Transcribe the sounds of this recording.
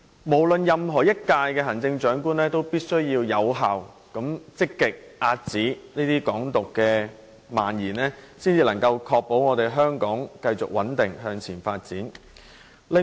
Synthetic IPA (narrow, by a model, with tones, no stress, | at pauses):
mo˨˩wlɵ˨njɐ˨mɦɔː˨˩jɐ˥t̚kaː˧jkɛː˧ɦɐ˨˩nt͡sɪ˧ŋt͡ʃœː˨˥ŋkuː˥nlɛː˥t̪o˥wpiː˥t̚sɵ˥ɥjiː˧wjɐ˨˧˥wɦaː˨w | kɐ˨˥mt͡sɪ˥kːɪ˨k̚ʔaː˧t̚t͡siː˨˥niː˥t̪iː˥kɔː˨˥ŋt̪ʊ˨kːɛː˧ | ma̰ː˨˩njiː˨˩nɛː˥siː˥nt͡siː˧lɐ˨˩ŋkɐ˧wkʰɔː˧k̚po˨˥wŋɔː˨˧t̪e˨jɦœː˥ŋkɔː˨˥ŋkɐ˧jt͡sʊ˨k̚wɐ˨˥nt̪ɪ˨ŋɦœː˧ŋt͡sʰiː˨˩nfaː˧t̚t͡siː˨˥n | lɪ˨